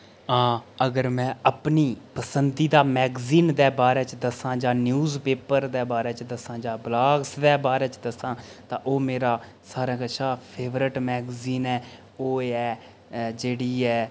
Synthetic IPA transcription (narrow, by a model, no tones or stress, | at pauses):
ãːəɡəɾmɛ̃ːəpniːpəsənd̪iːd̪aːmɛːɡziːnd̪ɛːbaːɾɛːt͡ʃd̪əsãːd͡ʒaːnjuːzpeːpəɾd̪ɛːbaːɾɛːt͡ʃd̪əsãːd͡ʒãːblaːɡsd̪ɛːbaːɾɛːt͡ʃd̪əsãːt̪ãːʔoːmeːɾaː | saːɾãːkəʃʰaːpʰeːʋɾəʈmɛːɡziːnɛː | oːɛː | d͡ʒeːɽiːɛː